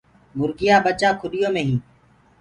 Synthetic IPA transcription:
mʊɾɡɪjaːɓət͡ʃaːkʰʊɗɪjõːmẽːɦĩː

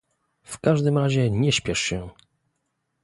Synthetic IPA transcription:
fkaʐd̪ɘmɾaʑɛɲɛɕpʲjɛʂɕɛ

